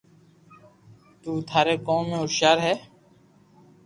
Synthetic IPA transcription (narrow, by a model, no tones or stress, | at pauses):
t̪uːt̪ʰaːɾeːkoːmẽːoːɾʃaːɾɦɛː